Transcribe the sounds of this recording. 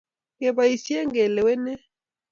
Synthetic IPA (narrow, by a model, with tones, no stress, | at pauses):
ŋɡɛ˨βa˨i˨si˦ɛ˦ŋɡɛ˨lɛ˨wɛ˦nɛ˦